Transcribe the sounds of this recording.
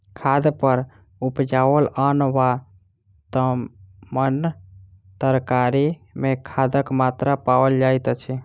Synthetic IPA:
kʰad̪pəɾ | upd͡ʒawələnʋa | t̪əmən | t̪əɾkaɾimekʰad̪əkmat̪ɾapawəld͡ʒajt̪t͡ʃʰi

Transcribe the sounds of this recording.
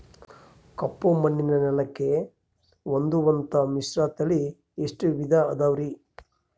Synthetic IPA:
kɐpːomɐnːinɐnɛlɐkːe | ʋond̪uʋɐnt̪ɐmisɾaːt̪ɐli | eʂʈuʋid̪ʱɐɐd̪aːʋɾi

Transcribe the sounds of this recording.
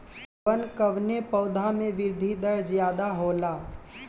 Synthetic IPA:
ənkəʋnepəʊd̪ʱamẽʋɪɾd̪ʱid̪əɾzjaːd̪aɦoːlaː

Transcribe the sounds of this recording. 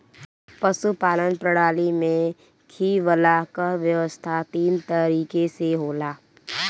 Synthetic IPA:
pəsupaːlənpɾəɽaːlimẽ | kʰiːʋəlakaʋjəʋəst̪ʰat̪iːnt̪əɾiːkeseɦoːlaː

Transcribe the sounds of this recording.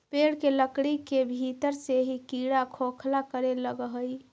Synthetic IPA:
peɽkeləkɽikebʱit̪əɾseɦikiɽakʰokʰlakəɾeləɡɦəj

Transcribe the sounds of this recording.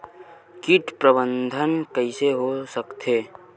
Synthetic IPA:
kiʈpɾəbənd̪ʱənkəɪseɦosəkt̪ʰeː

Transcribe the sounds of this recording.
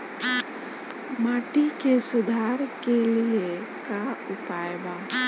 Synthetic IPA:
maːʈikesʊd̪ʱaːɾkelie | kaʊpaːjba

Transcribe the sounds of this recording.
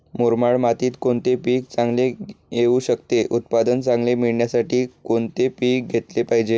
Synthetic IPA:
moɾmaɭmat̪iːt̪koɳt̪epiːk̚t͡sãŋɡlejeuɕəkt̪eʔut̪̚pad̪ənt͡sãŋɡlemiɭɳjasaʈiːkoɳt̪epiːk̚ɡʱet̪lepaɦid͡ʑe

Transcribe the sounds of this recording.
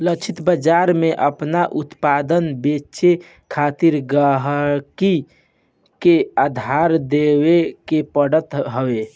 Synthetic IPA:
lət͡ʃʰit̪bəd͡ʒaɾmeʔəpnaʔut̪pad̪ənbet͡ʃe | kʰat̪iɾɡəɦɾki | kead̪ʱaɾd̪ewekepəɽət̪ɦəwe

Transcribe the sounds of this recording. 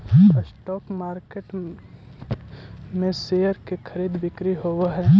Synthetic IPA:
əsʈɔːkmaːɾkeːʈ | mẽseːəɾkekʰəɾiːd̪bɪkɾiɦoːwɦɛ̃ː

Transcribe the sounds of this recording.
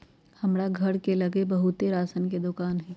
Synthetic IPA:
hɐmɾaɡʱɐɾkelɐɡebɐɦut̪eɾaːsənked̪ʊkaːnɦɛː

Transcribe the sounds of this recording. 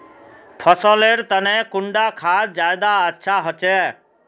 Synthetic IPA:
pʰəsɔleːɾt̪ənɛ̃kʊɳɖakʰaːd͡ʒaːjd̪aətːʃʰaɦɔt͡ʃɛː

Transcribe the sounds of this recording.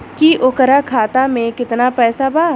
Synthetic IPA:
kiʔokəɾakʰaːt̪amẽkɪt̪napɛːsabaː

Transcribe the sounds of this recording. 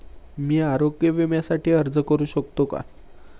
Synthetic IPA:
miːaɾoɡjəʋemjasaʈiːəɾd͡zəkəɾuːɕəkt̪oka̰

